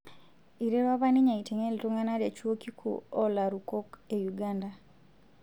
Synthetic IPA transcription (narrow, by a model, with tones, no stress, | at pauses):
iɾe˦ɾwa˦βa˦niɲa˨ite˨ŋe˦li˨tuŋa˦na˦ɾe˨t͡ʃwo˦ki˦kʰṵɔ˦laɾuko˦kejuɡanda